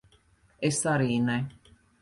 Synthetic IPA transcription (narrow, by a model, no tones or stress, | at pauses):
esaɾina